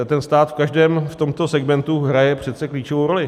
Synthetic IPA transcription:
t̪ɛnst̪aːt̪fkaʒdɛːmft̪o̞mt̪o̞sɛɡmɛnt̪uɦɾajɛpr̝̥ɛt̪t͡sɛkliːt͡ʃovowɾolɪ

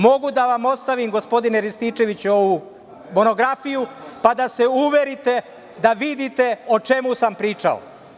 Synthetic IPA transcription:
mo̞ɡud̪aʋamo̞t̪st̪aʋimɡo̞spod̪ineɾist̪iːt͡ʃe̞ʋit͡ɕuo̞ʋu | mo̞no̞ɡɾafijupad̪ase̞uʋe̞ɾit̪e̞ | d̪aʋid̪it̪e̞o̞t͡ʃe̞musampɾiːt͡ʃa̰o̰

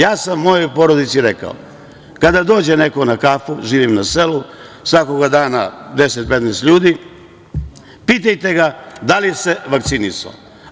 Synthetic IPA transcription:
jaːsamːo̞jo̞jpo̞ɾo̞d̪it̪siɾe̞ka̰o̰ | kad̪ad̪o̞ːd͡ʑe̞ne̞konakafuʒiːʋimnase̞lu | sʋako̞ɡad̪aːnad̪e̞set̪̚pe̞t̪nɛːst̪ʎuːd̪i | piːt̪ajt̪e̞ɡad̪alise̞ʋakt̪siniso̰

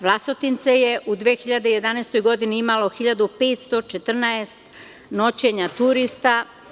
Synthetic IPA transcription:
ʋlˠasot̪int̪sejeʔud̪ʋeːxiʎad̪eje̞d̪anest̪o̞jɡo̞d̪iniimalo̞xiʎad̪upeːt̪st̪o̞t͡ʃet̪r̩naest̪ | no̞t͡ɕe̞ɲat̪uɾist̪a

